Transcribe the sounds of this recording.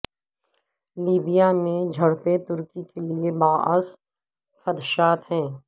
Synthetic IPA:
liːbijamẽd͡ʒʱɐɽpet̪ʊɾkikeliebaːəs | xɐd̪ʃaːt̪ɦɛ̃ː

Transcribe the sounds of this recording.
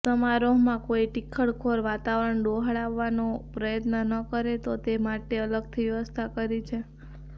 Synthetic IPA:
səmaɾoɦmãkoiʈikʰːəɭkʰoɾʋat̪aʋɾəɳɖoɦaɭaʋːanopɾəjət̪nənəkəɾet̪ot̪emaʈeələɡ̚t̪ʰiʋjəʋəst̪ʰakəɾit͡ʃʰe

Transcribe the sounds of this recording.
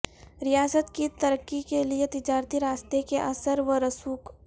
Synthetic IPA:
ɾɪjaːsət̪kit̪ɐɾəkːikeliet̪ɪd͡ʒaːɾt̪iɾaːst̪ekeʔɐsəɾʋəɾɐsuːk

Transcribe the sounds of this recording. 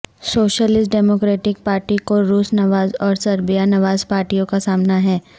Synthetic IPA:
soːʃəlɪsʈɖɛːmokɾeːʈɪk̚paːɾʈikoɾuːsnɐʋaːzɔːɾsɐɾbijanɐʋaːzpaːɾʈijõkasaːmnaɦɛː

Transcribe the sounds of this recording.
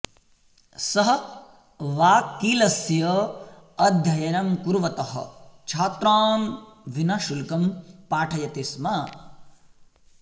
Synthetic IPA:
sɐɦɐ̆ | ʋaːkiːlɐsjɐ | ɐd̪ʱjɐjɐnɐmkuɾʋɐt̪ɐɦɐ̰̆t͡ʃʰaːt̪ɾaːmʋinɐʃulkɐmpaːʈʰɐjɐt̪ismɐ

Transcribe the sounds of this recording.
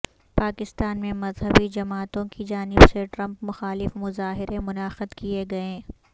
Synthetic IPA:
paːkɪst̪aːnmẽmɐzɦəbid͡ʒɐmaːt̪õkid͡ʒaːnɪbseʈɾɐ̃mpmʊxaːlɪfmʊzaːɦɪɾemʊnaːxəd̪kieɡɐẽː

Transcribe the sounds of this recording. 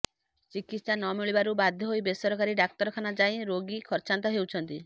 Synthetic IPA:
t͡ʃikit̪sanɔmiɭibaɾubad̪ʱːɔɦojbesɔɾɔkaɾiɖak̚t̪ɔɾɔkʰanad͡ʒajɾoɡikʰɔɾt͡ʃant̪ɔɦewt͡ʃʰɔnt̪i

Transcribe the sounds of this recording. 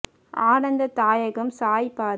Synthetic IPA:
aːnɐnd̪ɐt̪aːjɐɣɐmsaːjpaː

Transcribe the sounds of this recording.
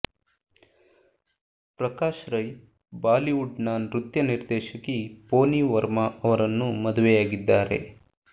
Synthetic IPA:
pɾɐkaːʃɾɐj | baːliuɖnaːnɾut̪jɐniɾd̪ɛːʃɐkipoːniːʋɐɾmɐɐʋɐɾɐnːumɐd̪uʋɛjaːɡid̪ːaːɾe̞̰

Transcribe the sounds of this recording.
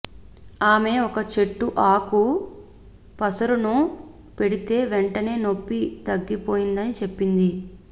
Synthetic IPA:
aːme̞ːɔkɐt͡ʃe̞ʈːuʔaːku | pɐsɐɾunu | pe̞ɽit̪e̞ːʋeɳʈɐne̞ːno̞pːit̪ɐɡːipo̞ːjind̪ɐnit͡ʃe̞pːind̪i

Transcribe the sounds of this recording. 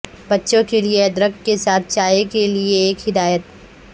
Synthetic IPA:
bɐtːʃõkelieɐd̪ɾəkkesaːt̪̚ʰt͡ʃaːjekelieːkɦɪd̪aːjət̪̚

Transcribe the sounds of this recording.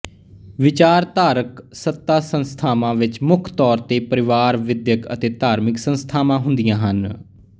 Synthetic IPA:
ʋɪt͡ʃaːɾt̪aːɾəksət̪ːaːsənst̪ʰaːmãːʋɪt͡ʃmʊkʰt̪ɔːɾt̪eːpəɾɪʋaːɾʋɪd̪jəkə̰t̪eːt̪aːɾmɪksənst̪ʰaːmãːɦʊ̃nd̪ijãːɦən

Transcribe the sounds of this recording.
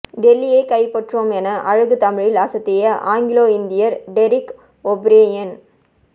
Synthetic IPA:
ɖɛlːijeːkɐɪpɐʈroːmɛnɐʔɐɻɐɣɯt̪ɐmɪɻɪlaːsɐt̪ːɪjɐʔa̰ːŋɡɪloːɪnd̪ɪjɐɾɖɛɾɪk | ɔbɾeːjɐn

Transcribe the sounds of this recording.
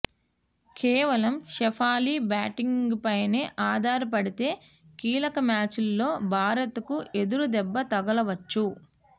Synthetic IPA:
keːʋɐlɐmʃɛpʰaːliːbaːʈiŋɡpɐjneːʔaːd̪ʱaːɾɐp̬ɐɽit̪e̞ː | kiːlɐkɐmaːt͡ʃilːo̞ːbʱaːɾɐt̪ukuʔe̞d̪uɾud̪ɛbːɐt̪ɐɡɐlɐʋɐt͡ʃːu

